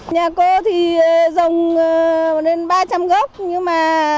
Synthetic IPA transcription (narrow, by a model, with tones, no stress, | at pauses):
ɲaː˨˩ko˧t̪ʰi˨˩ə˨˩zə˨˩wŋ͡m | nle˧nɓaː˧t͡ɕa˧mɣɔ˦˥p̚ɲɨ˧maː˨˩